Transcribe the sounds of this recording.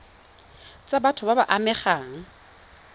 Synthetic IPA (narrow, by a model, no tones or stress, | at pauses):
t͡sʼabatʰʊbabaʔamɛχaːŋ̩